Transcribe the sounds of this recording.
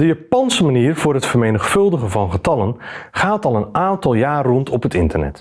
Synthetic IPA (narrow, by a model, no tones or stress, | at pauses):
dəjaːpɑnsəmaniːrvʊːrɦətfərmejnəχfɵlˠdəɣəvɑnχətɑlənχaːtɑlˠənʔaːntɑlˠjaːrɔntɔpɦətɪntərnɛ̰t